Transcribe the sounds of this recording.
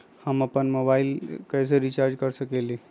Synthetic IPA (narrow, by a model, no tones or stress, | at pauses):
həmapənmobailkəjs̬eɾit͡ɕaɾd͡ʒkəɾsəkeli